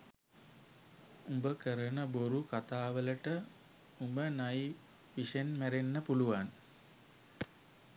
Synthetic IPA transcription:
umbəkəɾənəboɾukat̪aːʋələʈə | umbənaj | ʋiʂenmæɾenːəpuluʋan

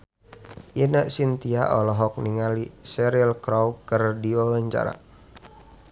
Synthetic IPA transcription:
ʔinəʔsint̪iaʔɔlɔɦɔk̚niŋalisɛɾiəlkɾɔwkərdiwawəɲt͡ʃa̰ɾa̰

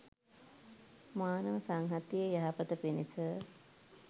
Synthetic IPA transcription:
maːnəʋəsaŋɦat̪jiəjaɦapət̪əpinisə

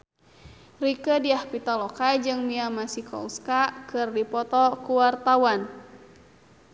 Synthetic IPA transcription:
rikədiahpit̪alɔkajd͡ʒɨŋmiamasikɔ̰uskakɨrdipɔt̪ɔkuwart̪awan

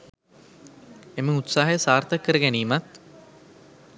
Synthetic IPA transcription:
emiŋut̪saːɦɐjəsaːrt̪akːəɾəɡæniːmat̪

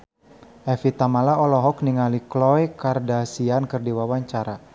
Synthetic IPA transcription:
ʔɛfit̪amalaɔlɔɦɔk̚niŋaliklɔjkardasiankərdiwawaɲt͡ʃaɾa

